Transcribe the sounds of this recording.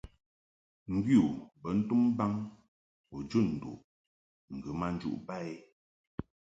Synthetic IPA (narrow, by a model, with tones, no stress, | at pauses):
ŋ̩˦˨ɡi˦u˨bə˨˦n̩˦tu˦mba˦ŋ | o˨d͡ʒu˦˨n̩˨dṵ˨ʔ | ŋ̩˨ɡɨ˨ma˦n̩˦d͡ʒṵ˦ʔba˦˨e˦